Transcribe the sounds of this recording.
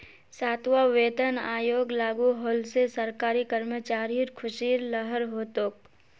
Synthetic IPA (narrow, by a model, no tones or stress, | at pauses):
saːt̪ʰʋaʋeːt̪ənaːjoːɡlaːɡuɦoːlsesəɾkaːɾikəɾmət͡ʃaːɾiɾkʰʊʃiːɾləɦəɾɦoːt̪oːk̚